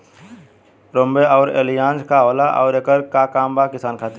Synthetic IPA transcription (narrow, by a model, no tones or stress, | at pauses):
ɾõːmbeɔːɾḛːlijãːnd͡ʒkaɦoːlaʔɔ̰ːɾekəɾkakaːmbakɪsaːnkʰaːt̪i